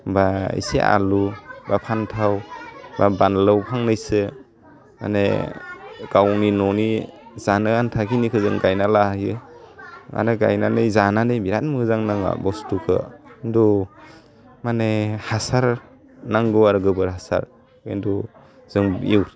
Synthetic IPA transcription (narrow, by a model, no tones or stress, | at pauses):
baḭseʔa̰lubapʰantʰawbabanlawpʰaŋnɯjsɯ | ma̰ne | ɡ̥awninɔnizanɯantʰakinikʰɯzɯŋɡajnalajɯ | ŋa̰ɾɯɡa̰jnanɯjzananɯjbiɾat̚mɯzaŋnaŋa̰bɔstukʰɯ̰ndu | manehasaɾ | naŋɡɯwaɾɡɯbɯɾɦasa̰ɾ | indu | z̥ɯŋiwɾ